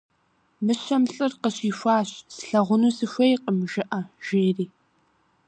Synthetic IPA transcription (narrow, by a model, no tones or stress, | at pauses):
mɨɕɐmɬʼɨrqəɕiːfʷaːɕsɬɐʁʷʊnuːsɨɕʷɐjqəmʒɪʔɐʒ̥eːriː